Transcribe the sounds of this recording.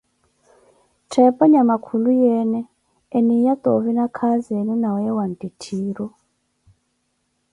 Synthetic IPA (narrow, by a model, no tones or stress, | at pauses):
tʰɛpɔɲamakʰulujɛnɛː | nijat̪ɔvinakʰazɛninawjɛwantitʰiːɾɔ